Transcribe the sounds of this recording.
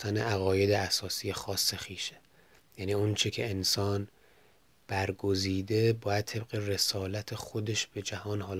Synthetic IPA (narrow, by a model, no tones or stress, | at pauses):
t̪ænḛʔæɣɒːje̞d̪eæsɒːsiːjexɒːsːe̞xiːʃe | jæniːont͡ʃʰecʰe̞ːnsɒːn | b̥æɾɡoziːd̪e̞bɒːjæd̪̚t̪ʰe̞b̚ɣe̞re̞sɒːlæt̪ʰe̞xod̪e̞ʃb̥e̞d͡ʒæhɒːnhɒːl